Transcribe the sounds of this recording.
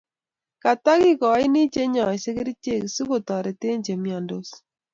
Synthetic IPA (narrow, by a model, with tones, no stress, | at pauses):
ka˨ta˦kɪ˦kɔ˨˦ɪ˦ni˦t͡ʃe˦ɲɔ˨se˦ke˦ɾi˦t͡ʃe˦˨ksu˦ko˨tɔ˨ɾɛ˨te˦ɲd͡ʒe˨mjɔ˨ndo˦s